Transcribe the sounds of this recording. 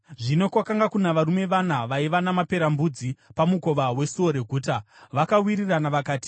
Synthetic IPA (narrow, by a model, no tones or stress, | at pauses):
ʐino̞kwakaŋɡakunaʋaɾume̞ʋanaʋaiʋanamape̞ɾambud͡zipamuko̞ʋawe̞suoɾe̞ɡʱuːta | ʋakawiɾiranaʋakaːti̥